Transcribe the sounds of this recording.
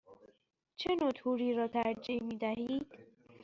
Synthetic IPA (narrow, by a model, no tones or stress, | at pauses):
t͡ʃʰenoːt̪ʰuːɾiːɾɒːt̪ʰæɾd͡ʒimiːd̪æɦiːd̪̥